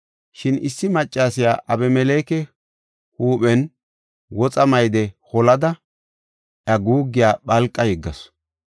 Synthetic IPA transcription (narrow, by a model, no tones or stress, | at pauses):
ʃɪnɪsːɪmɐt͡ʃʼːaːsɪjaːʔɐbɛmɛleːkɛ | huːɓɛn | wɔt͡sʼɐmɐjd̪ɛhɔlɐd̪ɐ | ʔɐɡuːɡːɪjaːɓɐlkʼːɐjɛɡːɐs